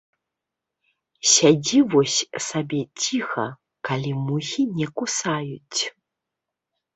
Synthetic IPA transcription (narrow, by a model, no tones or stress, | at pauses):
sʲad͡zʲivɔsʲsabʲɛt͡sʲixɐ̰ | kalʲimuɣʲinʲɛkusajut͡sʲ